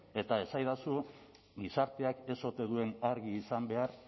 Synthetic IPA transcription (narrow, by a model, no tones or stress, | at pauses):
e̞t̪ae̞sajðasu | ɡisaɾt̪e̞ake̞so̞t̪e̞ðue̞naɾɣiːsambe̞aɾ